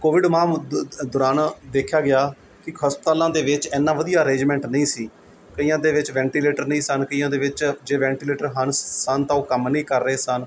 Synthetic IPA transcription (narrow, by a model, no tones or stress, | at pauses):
koːʋɪɖmãːmd̪ʊɾaːnd̪eːkʰjaːɡɪjaː | kɪkʰəːspət̪aːlãːd̪eːʋɪt͡ʃɛːnːãːʋəd̪ijaːəɾẽːd͡ʒmɛ̃ːɳʈnəĩːsiː | kəiːãːd̪eːʋɪt͡ʃʋɛ̃ːɳʈiːleːʈəɾnəĩːsənkəiːãːd̪eːʋɪt͡ʃd͡ʒeːʋɛ̃ːɳʈiːleːʈəɾɦənsənt̪ãːoːkəmnĩːkəɾːəeːsən